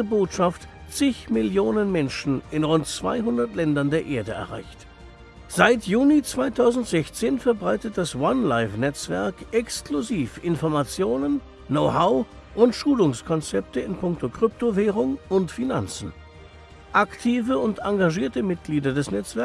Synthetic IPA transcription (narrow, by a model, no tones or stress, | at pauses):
əboːtʃaft | t͡sɪçmɪljoːnənmɛnʃn̩ɪnʁʊntt͡sv̥a̰ɪɦʊndɐtlɛndɐndeːɐʔeːɐdəɛ̰ɐʁa̰ɪçt | z̥aɪtjuːnit͡sv̥aɪtʰaʊzn̩tz̥ɛçt͡seːnfɛɐbʁaɪtət̚d̥aswanlaɪfnɛt͡sv̥ɛɐkʔɛkskluziːfʔɪnfɔɐmat͡sjoːnənː | oʊhaʊ | ʔʊntʃuːlʊŋskʰɔnt͡sɛp̚təɪnpʰʊŋk̚tʰokʁ̥ʏp̚toveːʁʊŋʊntfina̰nt͡sn̩ | ʔaktʰiːvəʊntaŋɡaʒiːɐtəmɪt̚ɡ̥liːdɐdɛsnɛt͡sv̥ɛɐ